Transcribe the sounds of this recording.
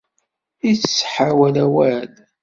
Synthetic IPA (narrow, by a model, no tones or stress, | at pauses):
it͡sə̥sːħawælæwæl